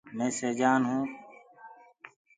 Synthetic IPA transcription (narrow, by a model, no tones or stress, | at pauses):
mẽːseːd͡ʒaːnɦũː